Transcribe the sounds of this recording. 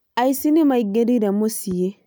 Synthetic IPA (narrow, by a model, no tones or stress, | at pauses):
ajsinimajɡeɾidamosije